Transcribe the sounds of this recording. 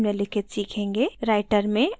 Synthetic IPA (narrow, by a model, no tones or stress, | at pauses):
mnelɪkʰɪt̪siːkʰẽːŋɡeɾaːɪʈəɾmẽ